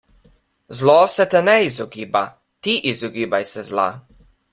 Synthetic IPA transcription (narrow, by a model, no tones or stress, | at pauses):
zlɔsɛt̪ɛnɛizɔɡiːba | t̪iʔizɔɡiːbajsɛzla̰